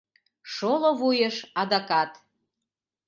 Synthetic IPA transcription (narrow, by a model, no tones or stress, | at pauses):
ʃoloβujəʃɑd̪ɑkɑt̪